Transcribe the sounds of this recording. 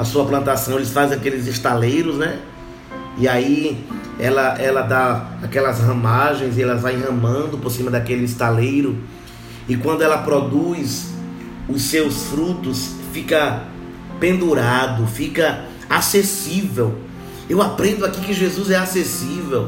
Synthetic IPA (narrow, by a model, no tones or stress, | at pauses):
asuɐplɐ̃nt̪asɐ̃w̃elɪsfajzakelɪzɪst̪alejɾʊznɛ | iai | ɛ̰lɐʔɛlɐd̪aakɛlɐzhɐ̃maʒẽj̃zɪɛlɐzvaj̃hɐ̃mɐ̃nd̪ʊpoɾsĩmɐd̪akelɪist̪alejɾʊ | ɪkwɐ̃nd̪ʊɛlɐpɾɔd̪ujs | ʊsewsfɾut̪ʊsfikɐ | pẽnd̪uɾad̪ʊfikɐ | asesivɛw | ewapɾẽnd̪ʊakikɪʒezuzɛasesivɛw